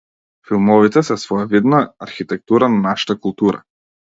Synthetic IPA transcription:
filˠmɔvit̪ɛsɛsvɔjavid̪naːɾxit̪ɛk̚t̪uɾananaʃḁt̪akulˠt̪uɾa̰

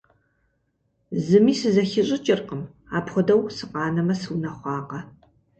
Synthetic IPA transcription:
zɨmiːsɨzɐxɪɕʼɪt͡ʃʼɪrqəm | aːpχʷʊdɐwsɨqɑːnɐmɐsɨwnɐχʷɑːqɐ

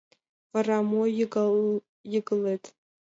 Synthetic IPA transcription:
aramo | jɪɡɨlejtʼ

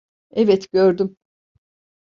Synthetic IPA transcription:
ɛvɛt̪ɟøɾd̪ym

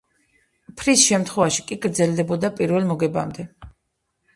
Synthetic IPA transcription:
pʰɾisʃɛmt̪ʰχwɛvaʃikʼiɡɾd̪zɛld̪ɛbɔd̪apʼiɾvɛlˠmɔɡɛba̰md̪ɛ

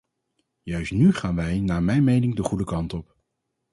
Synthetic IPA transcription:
jœɥstnyχaːnʋɛjnaːɹmɛjnmejnɪŋdəχudəkɑntɔp

